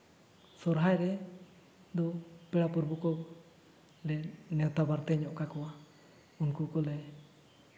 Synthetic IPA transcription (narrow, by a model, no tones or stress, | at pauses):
sɔɾɦaɛɾɛ | d̪ɔpɛɽapuɾbukɔ | lɛnɛɔt̪abaɾt̪ɛɲɔʔkakɔa | unkukɔlɛ